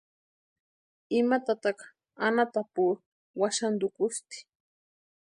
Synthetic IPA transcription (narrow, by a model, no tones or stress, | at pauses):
ɪmat̪at̪ɑq | anat̪apuː | waʃand̪ʊkʊst̪ɪ̥